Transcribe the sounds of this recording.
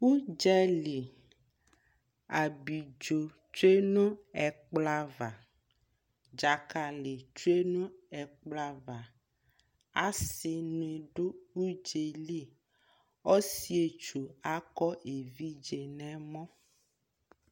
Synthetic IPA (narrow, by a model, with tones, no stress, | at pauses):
wu˦d͡ʒɛ˦li˨ | a˨bi˨d͡ʒo˨ | t͡ʃe˦nũ˦ɛ˨k͡pla˦va˨ | d͡ʒa˨ka˨le˨t͡ʃu˦e˦nũ˦ɛ˨k͡pla˦va˨ | a˦sɪ˦nũ˨e˨ɖo˦wu˦d͡ʒe˨li˦˨ | ɔ˦si˦e˨t͡ʃu˨a˦kɔ˦e˨vi˦d͡ʒe˨nɛ̃˦mɔ̃˦